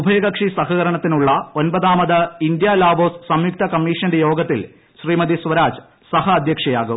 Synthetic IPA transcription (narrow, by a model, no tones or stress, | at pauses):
ubʱɐjɐɡɐkʂisɐɦɐɣɐɾɐɳɐt̪ːinuɭːɐo̞nbɐðaːmɐðɐind̪jalaːboːssɐmjuk̚t̪ʰɐkɐmːiːʂɐnɐndejo̞ːɡɐt̪ːil | ɕriːmɐd̪isʋɐɾaːd͡ʑ | sɐɦɐːd̪ʱjɐkʂɐjaːɣu